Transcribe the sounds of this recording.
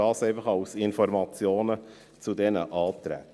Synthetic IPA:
ɑːsɛɪfəχɑʊsɪnfɔɾmɑt͡sjoːnə | t͡sud̪ɛnəʔɑːt̪ɾæ̰t

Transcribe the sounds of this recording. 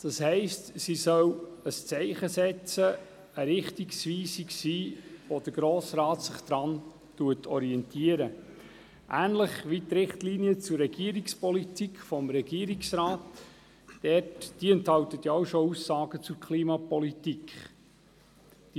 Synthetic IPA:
d̥ɑshɛɪstsisœwəst͡sɛɪχəsɛt͡sə | əɾɪχtiksʋiːsiksiːʋod̥əɾɡ̥ɾoːsɾɑːtsɪχd̪̥ɾɑn | tuətʰɔɾiɛntʰiəɾə | ʔæːnləχʋitɾɪχtliniət͡sʊrːɛɡ̥iəɾikspɔlitikχfɔmɾɛɡiːɾiksɾɑːt | d̥ɛtd̥iɛnthɑwtətjaowʃɔusːɑːɡ̥ət͡sʊɾkʰliːmɑpɔlitikχ | d̥i

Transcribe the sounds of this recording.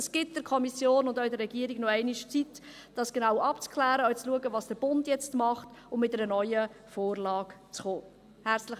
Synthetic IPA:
əsɡ̥ɪt̚d̥əɾkʰɔmisjoːnʊndɔɪdəɾːɛɡ̥iəɾiɡnɔɛɪniʃt͡sit | d̥ɑsɡ̥enaʊʔɑpt͡skʰlæːɾəœʏt͡sluəɡəvɑːsd̥əɾb̥ʊndjɛt͡stmɑχtʊmmɪtɛɾənœʏəfoːrlɑːkt͡sχoː | hæɾt͡sləχ

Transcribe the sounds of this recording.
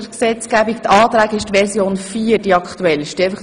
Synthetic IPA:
əksɛt͡sɡ̥æːbik̚t̪ɑːt̪ɾæːɡəɪʃtʋɛrsjoːnfiːərdiɑkχt̪uɛlɪʃtiɛfəχ

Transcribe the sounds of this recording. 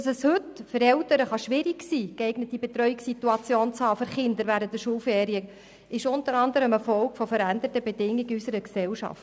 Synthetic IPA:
ɑsəshɵtfəɾɛltəɾəχɑʃʋɪɾiɡsiːkeɪɡnət̚ibet̪ɾœʏɪksituɑt͡sjoːnt͡shɑːføɾχɪnd̪əɾʋæɾənt̪əʃuːlfeːɾiə | ʔɪʃʊntəɾɑnd̪əɾəmɛfɔlkfɔfəɾænd̪ətəbedɪŋːiɡysəɾəksɛlʃɑ̰ft

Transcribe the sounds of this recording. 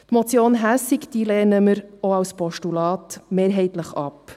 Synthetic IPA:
t̪mɔt͡sjoːnɦæsikd̪̥iːlɛːnəməɾɔɑwspɔʃtulɑːt̪meːɾɦɛɪt̪ləχɑ̰p

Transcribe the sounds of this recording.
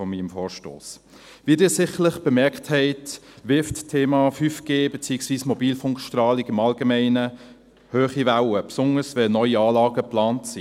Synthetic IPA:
ɔmiːmfɔːɾʃto̰ːs | viədɪːsɪχəlɪχb̥əmɛɾkthɛɪtvɪfttʰeːmɑfyːfɡ̥eːbet͡siːəksviːsmɔbiːlfʊŋkʃtrɑːlikɪmɑlɡəmɛɪnə | høːχivaʊwəpsʊnəsvɛlnœʏiɑːlɑːɡəplɑːntsi

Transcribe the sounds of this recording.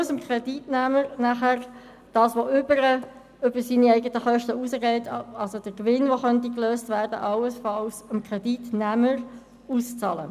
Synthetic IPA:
səmkʰʁɛditnæːməɾnæχæʁ | d̥ɑːsʋoʔʏbəɾə | ʏbəɾsiːniɛɪɡətəχœʃtəusəɡɛɪtʰɑlsod̥əɾkʋɪnʋoχœntikløːstvæːɾdə̰ʔɑwəsfɑlsəmkʁɛditnæːməɾ | uːst͡sɑːlə̰

